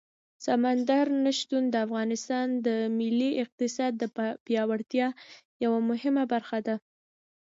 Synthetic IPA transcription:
samand̪aɾnaʃt̪und̪əafɣɑnɪst̪ɑnd̪əmɪlːiɪq̚t̪ɪsɑd̪ːəpjɑwaɽt̪jɑjawamʊɦɪmabaɾxad̪a

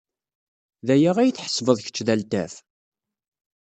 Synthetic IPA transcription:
ðæjaʁæjəθħə̥svəðˤçə̥t͡ʃːðælt̪æf

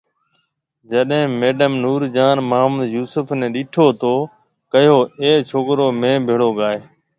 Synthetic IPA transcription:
d͡ʒəɗɦẽːmeːɖəmnuːɾd͡ʒaːnməːmd̪juːsʊpʰnẽːɗɪːʈʰoːt̪oː | kəjoːeːt͡ʃʰoːkɾoːmẽːbʱeːɭoːɠaːeː

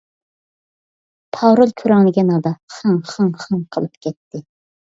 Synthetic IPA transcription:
pʰɑɾolˠkʲʰøɾɛŋlɨɡʲɛnɑd̪ɑχɑŋχɑŋχɑŋqʰəlˠɨp̚kʲʰɛt̪ʰːɪ

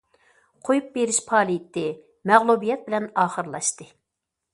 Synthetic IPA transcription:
qʰojup̚beɾɪʃpʰɑːlˠiit̪ʰːɪ | mæʁlˠubijɛt̪̚bɪlɛnɑːχəɾlˠɑʃt̪ɨ

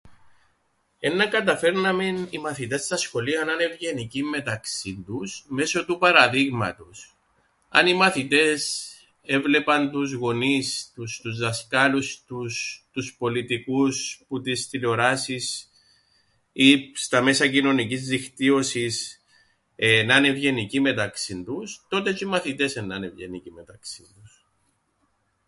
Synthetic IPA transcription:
e̞nːɐkɐt̪ɐfe̞ɾnɐmenimɐθit̪e̞st̪ɐsxo̞liɐnɐne̞vʝe̞nicimːe̞t̪ɐksind̪usme̞so̞t̪upɐɾɐðiɣmɐ̰t̪us | ɐ̰nimɐθit̪e̞s | e̞vle̞pɐnt̪uzɣo̞nist̪ust̪uzðɐskɐlust̪ust̪uspo̞lit̪ikusput̪ist̪ileo̞ɾɐsis | ist̪ɐme̞sɐcino̞nicizðixt̪io̞sis | enɐnevʝe̞nicime̞t̪ɐksind̪ust̪o̞t̪e̞t͡ʃimɐθit̪e̞senːɐnevʝe̞̰nicime̞t̪ɐksind̪us

